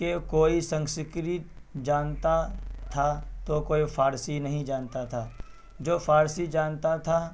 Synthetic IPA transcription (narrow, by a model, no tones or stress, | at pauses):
kekoːisə̃ŋskɾɪt̪̚d͡ʒaːnt̪at̪ʰat̪okoːifʰaːɾsinɐɦĩd͡ʒaːnt̪at̪ʰaː | d͡ʒoːpʰaːɾsid͡ʒaːnt̪at̪ʰa